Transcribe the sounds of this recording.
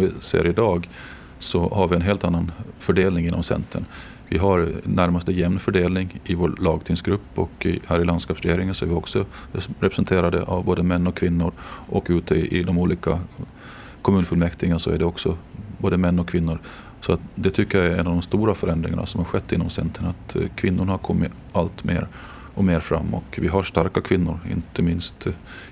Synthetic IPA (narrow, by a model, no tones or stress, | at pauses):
ɔvɪsḛːɾɪd̪ɑːɡ | sɔhaɾvɪɛnɦeːlt̪anːanfœɖeːlnɪŋɪnːɔ̰msɛ̰nt̪ʰə̰ɳ | vɪɦaɾnæɾmast̪əjɛmnfœɖeːlnɪŋɪvoːɭɑːɡt̪ʰɪŋsɡɾɵpːɔkɪhæːɾɪland̪skɑːpsɾɛjeːɾɪŋənsɔæɾvɪɔksɔ | ɾɛpɾɛsɛnt̪ʰeːɾad̪ə̰ʔavboːd̪əmɛnːɔkʰvɪnːʊɾʔɔkːʉ̟ːt̪ʰəʔɪd̪ɔmuːliːka | kʰɔmʉ̟ːnfɵlmɛkt̪ɪɡansɔæɖɛɔksɔboːd̪əmɛnːɔkʰvɪnːʊɾ | sɔat̪d̪ɛt̪ʰʏkːəjaæɾɛnːavd̪ɔmst̪uːɾafœɾɛnd̪ɾɪ̰ŋa̰na̰sɔmhaɾɧɛt̪ːɪnːɔmsɛ̰nt̪ʰɾəɳat̪kʰvɪnːʊɳhaɾkʰɔmːɪ | alt̪mḛːɾ | ɔmeːɾfɾa̰mːɔ̰kvɪɦaɾʂt̪aɾkakʰvɪnːʊɾɪ̰nt̪əmɪnst̪